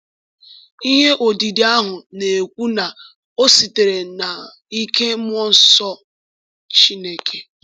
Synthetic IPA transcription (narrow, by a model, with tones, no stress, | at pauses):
i˦ɦe˦ʔo˨di˨de˨a˦ɦʊ˨ne˨kʷu˦na˨ | o˦si˨te˨ɾe˨na˨ | i˦ke˦m˦ɔ˦n̩˦sɔ˦ | t͡ʃi˦ne˦kʰe˨